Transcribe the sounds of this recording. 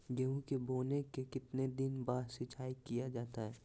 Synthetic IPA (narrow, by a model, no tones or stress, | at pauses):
ɡeũkeboːnekekɪt̪ned̪ɪnbaːɾsɪt͡ʃʰaːikijad͡ʒaːt̪aɦɛː